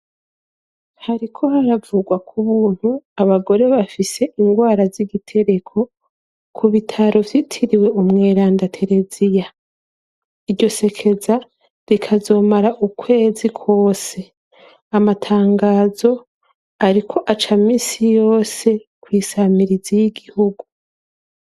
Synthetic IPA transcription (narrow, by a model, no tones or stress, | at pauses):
haɾikʰo̞haɾavuɡwakʰuβuːn̥huaβaɡo̞ɾe̞βafise̞ʔiŋɡwaːɾaziɡitʰe̞ɾe̞kʰo̞ | kʰuβitʰaɾo̞vjitʰiɾiwe̞umŋe̞ːɾaːndatʰe̞ɾe̞zija | iɟo̞se̞kʰe̞za | ɾikʰazo̞ːmaɾaʔukʰwe̞ːzikʰo̞ːse̞ | amatʰaːŋɡaːzo̞ | aɾikʰo̞ʔat͡ʃamiːsijo̞ːse̞kwiːsamiɾizijiɡihuɡu